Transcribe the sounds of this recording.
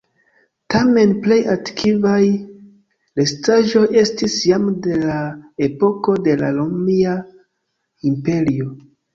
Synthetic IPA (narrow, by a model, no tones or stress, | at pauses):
tame̞nple̞jatkʰivaj | le̞staʒo̞je̞stisjamde̞lae̞po̞ko̞de̞la̰lomia | impe̞ɾio̞